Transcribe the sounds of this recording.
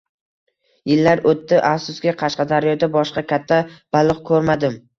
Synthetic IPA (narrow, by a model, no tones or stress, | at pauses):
jɪlːaɾot̪ːɪʔafsʊsɡʲɪqʰɑʃqɑd̪aɾjɒd̪abɒʃqɑkʲʰat̪ʰːab̥alˠɨqkʰɵɾmad̪ɪm